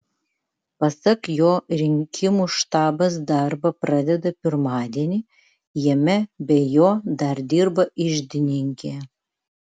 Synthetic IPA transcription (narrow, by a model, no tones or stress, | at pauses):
pɐsɐkjoɾʲɪŋʲkʲʰimuʃt̪ɑːbɐs̬d̪ɑrbɐprɑd̪ʲɛd̪ɐpʲɪrmɑːd̪ʲenʲi | jɛmʲɛbʲɛjod̪ɑrd̪ʲirbɐʔiʒd̪ʲɪnʲiŋʲkʲe